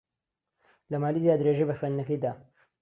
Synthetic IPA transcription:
lɐmaːlizjaːd̪ɾeʒejbɐxɥend̪nɐkɐjd̪aː

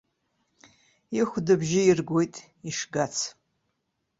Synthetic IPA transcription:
iχʷdɨbʒɪirɡʷojtʼ | iʂɡat͡sʰ

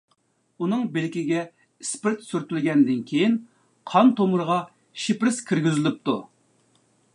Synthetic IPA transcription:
unɨŋbɪlkʲiɡʲɛ | ispɪɾt̪syɾt̪ylɡʲɛnd̪ɪnkʲʰejin | qʰɑnt̪omuɾʁɑ | ʃipɾɪzkʲʰiɾɡʲyzɪlɪp̚t̪u

